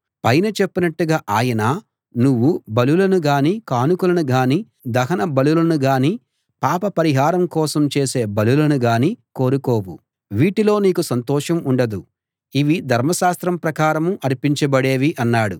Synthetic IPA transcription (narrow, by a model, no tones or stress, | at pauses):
pɐjnɐt͡ʃepːinɐʈːuɡaːʔaːjɐnaː | nuʋːubɐlulɐnuɡaːniːkaːnukulɐnuɡaːniː | d̪ɐɦɐnɐbɐlulɐnuɡaːniː | paːpɐpɐɾiɦaːɾɐmkɔːsɐmt͡ʃe̞ːse̞ːbɐlulɐnuɡaːniko̞ːɾukoːwu | ʋiːʈilo̞ːniːkusɐnt̪ɔːʂɐmuɳɖɐd̪u | iʋid̪ʱɐɾmɐʃaːst̪ɾɐmpɾɐkaːɾɐmuʔɐɾipiɲt͡ʃɐbɐɽe̞ːʋiʔɐnːaːɽu